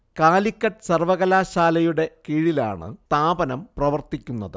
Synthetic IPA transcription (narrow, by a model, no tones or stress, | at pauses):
kaːlikːɐʈɨsɐrʋɐɣɐlaːɕaːlɐjuɽe̞kiːɻila̰ːɳɨ̰t̪aːbɐnɐmprɐʋɐrt̪ikʲːunːɐðɨ